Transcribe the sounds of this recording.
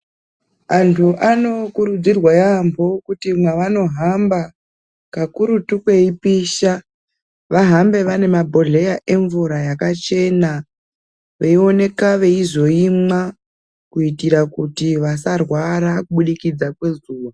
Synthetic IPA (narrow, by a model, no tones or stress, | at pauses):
antʰuʔano̞kuɾud͡zirwajambo̞kutimwaʋano̞ɦamba | kakuɾutukwe̞ipiːʃa | ʋaɦambe̞ʋane̞mabʱo̞ɮe̞jaʔe̞ɱvuɾajakat͡ʃe̞na | ʋeio̞ne̞kaʋe̞izo̞ima | kuitiɾakutiʋasarwaɾakuɓuɗikid͡zakwe̞zuːʋa